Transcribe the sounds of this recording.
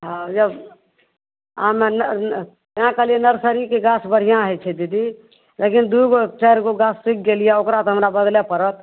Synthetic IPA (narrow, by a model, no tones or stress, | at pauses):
ɦãjəb | amen | ãkəlijenəɾsəɾikeɡasbəɽ̤ijãɦɛt͡ʃʰɛd̪id̪i | lekind̪uiɡot͡ʃəɪɾkoɡasːik̚ɡelijɛokɾat̪oɦəmɾabəd̪lepəɾət̪